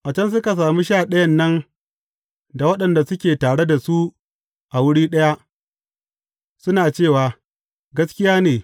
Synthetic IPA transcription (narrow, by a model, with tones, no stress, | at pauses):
ʔa˨t͡ʃɐ˦ns̬ʊ˦ka˨s̬aː˨mi˦ʃaː˦˨ɗɐ˦jɐ˦nːɐ˦n | da˨wɐ˦ɗɐ˨nda˨sʊ˦kʲeː˨taː˨ɽe˦da˨su˦ | ʔa˨wʊ˦ɽiː˦ɗɐ˦ja˦ʔ | sʊ˦naː˨t͡ʃeː˦˨waː˨ | ɡɐ˦skʲɪ˦jaː˦neː˨